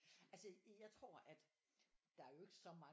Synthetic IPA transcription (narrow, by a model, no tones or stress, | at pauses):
ælsəjɑ̈ɪt͡sʰʁo̝ɐ̰ʔæd̥ | d̥ɑ̈æɐjo̝e̝ɡ̥əsɒ̽mɑ̈